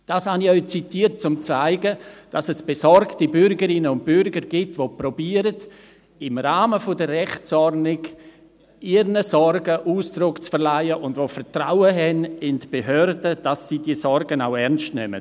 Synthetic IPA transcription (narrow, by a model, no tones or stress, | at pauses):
d̥aːshanɪɔt͡sitiːt̚t͡sʊmt͡saɪɡəd̥ɑsɛsb̥esɔɾktibʏɾɡəɾɪnəʊnt̚b̥ʏɾɡəɾɡ̥ɪtvopɾobiːəɾəd | ɪmɾaːməfʊdərrɛχt͡sɔrnɪɡ | ɪɾnəsɔɾɡəʔuːsd̥ɾʊkt͡sfəɾlaɪəʔʊndvofəɾtɾaʊəɦɛnɪndb̥eɦœɾdəd̥ɑsːidiːsɔɾɡənaʊɛɾnstnɛ̰mə̰